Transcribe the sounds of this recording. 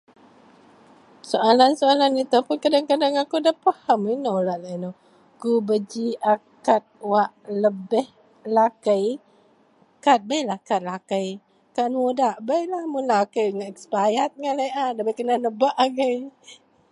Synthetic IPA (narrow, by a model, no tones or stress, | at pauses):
soalansoalanit̪opunkadaŋkadaŋakudapahaminolaʔlajno | kubəd͡ʒiʔakat̪̚waʔləbɛh | lakəj | kat̪̚bəjlahkat̪̚lakəj | kanmudaʔbəjlahmunlakəjŋaʔɛkspajat̪̚ŋalajʔadabəkənanəbaʔaɡəj